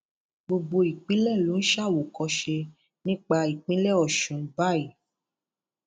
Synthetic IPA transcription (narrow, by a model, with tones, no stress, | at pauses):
bo˧ɡ͡bo˧i˨k͡pĩ˨˦lɛ˦˨lo˨˦n̩˦ʃa˦˨wo˨kɔ˧ʃe˧ | nĩ˦k͡pa˧i˨k͡pĩ˦lɛ˦˨ɔ˨ʃũ˨n̩˦ba˦˨i˨